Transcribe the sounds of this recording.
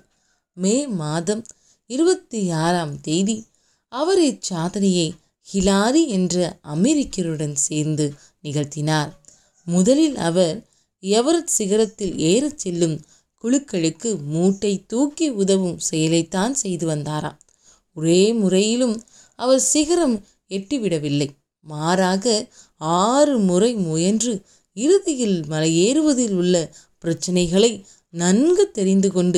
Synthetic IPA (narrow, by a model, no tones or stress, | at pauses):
meːmaːðɐm | ɪɾɯbɐt̪ːɯaːɾaːmt̪ɛjʋi | ɐʋɐɾet͡ʃːaːðɐnɐjɐɪ | hɪlaːɾiɛndrɐɐmɛɾɪkːɐɾɯɽɐnseːɾnd̪ɯ | nɪɣɐɻt̪ɪnaːɾ | mʊðɐlɪlɐ̰ʋɐɾ | ɐʋɐɾɐt̪sɪɣɐɾɐt̪ːɪleːɾɐt͡ʃːɛlːɯm | kʊɻɯkːɐɭɯkːɯmuːʈːɐɪt̪ːuːkːiʊðɐʋɯmsɛjɐlɐɪt̪ːaːnsɛjðɯʋɐnd̪aːɾa̰ːm | ɔɾeːmʊrɐjɪlɯm | ɐʋɐɾsɪɣɐɾɐm | ɛʈːiʋɪɽɐʋɪlːɐɪ | maːɾaːɣɐ | aːrɯmʊrɐɪmuːjɛndrɯ | ɪɾɯðɪjɪlmɐlɐjeːɾɯʋɐðɪlʊɭːɐ | pɪɾɐt͡ʃːɐnɐɪɣɐɭɐɪ | nɐnɡɐt̪ːɛɾɪnd̪ɯkɔɳɖɯ